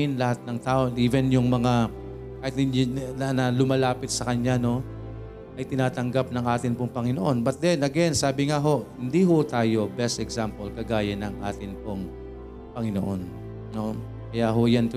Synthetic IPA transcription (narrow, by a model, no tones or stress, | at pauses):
ɪnlɐhat̪̚nɐŋt̪aːʔoʔiːvɛnjʊŋmɐŋa | kaːhɪt̪̚ɪnanɐlʊmɐlaːpɪt̪̚sɐkɐɲano̞ | ʔɐjt̪ɪnaːt̪ɐŋɡap̚nɐŋʔaːt̪ɪnpoŋpɐŋɪno̞ʔo̞nbɐt̪̚d̪ɛnʔɐɡɛnsaːbɪŋaɦo̞ʔhɪnd̪iɦʊt̪aːjo̞bɛst̪ɛɡzampolkɐɡaːjɐnɐŋʔa̰ːt̪ɪnpoŋ | pɐŋɪno̰ʔo̞n | no̞ | kɐjaːɦojant̪ʊ